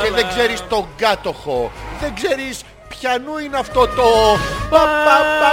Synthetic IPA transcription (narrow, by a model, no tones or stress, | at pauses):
ceðeɡze̞ɾist̪o̞ŋɡɐt̪o̞xo̞ðe̞ɡze̞ɾis | pçɐnuineɐft̪o̞t̪opɐpɐ